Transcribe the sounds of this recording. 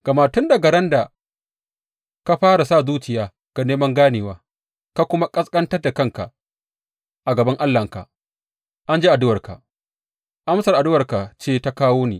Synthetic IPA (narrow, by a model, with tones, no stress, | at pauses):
ɡ̥a˨maː˨tʊ˦nda˨ɡɐ˨ɾɐ˦nda˨ | ka˦ɸaː˦ɾa˨sa˦˨zuː˦t͡ʃɪ˨jaː˨ | ɡ̥a˨neː˦mɐ˦ŋɡaː˦neː˨waː˦ | ka˦kʷʊ˦ma˦kʼɐ˦skʼɐ˦ntɐ˦rda˨kɐ˦ŋka̰˨ | ʔa˨ɡɐ˨bɐ˦ŋʔa˦lːɐ˨ŋka̰˨ | ʔa˦nd͡ʒe˦ʔa˨dʊ˦wɐ˨rka̰˨ | ʔa˦msɐ˨rʔa˨dʊ˦wɐ˨rka˨t͡ʃeː˦˨ta˦kaː˦woː˦neː˨